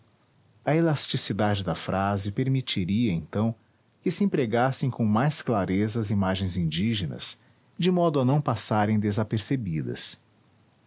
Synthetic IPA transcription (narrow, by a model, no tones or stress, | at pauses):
ɐelast͡ʃisid̪ad͡ʒɪd̪ɐfɾʔazɪpeɾmit͡ʃiɾiɐẽnt̪ɐ̃w̃ | kɪsɪẽpɾeɡasẽj̃kõw̃majsklaɾezɐɐzimaʒẽj̃zĩnd͡ʒiʒenɐ̰s | d͡ʒɪmɔd̪ʊɐnɐ̃w̃pasaɾẽj̃d̪ezapeɾsebid̪ɐ̰s